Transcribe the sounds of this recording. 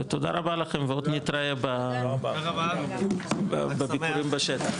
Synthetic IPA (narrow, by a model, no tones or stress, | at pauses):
et̪od̪a̰ʁabalaχemveod̪nit̪ɾaeba | bebikuɾimbaʃet̪aχ